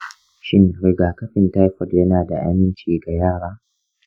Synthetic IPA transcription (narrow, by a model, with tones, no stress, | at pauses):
ʃɪ˦nɾɪ˨ɡaː˨kɐ˦ɸɪ˨nta˦jɸɔ˨djɐ˦naː˨da˨ʔa̰˦mɪ˦nt͡ʃiː˨ɡa˨jaː˦˨ɽaː˦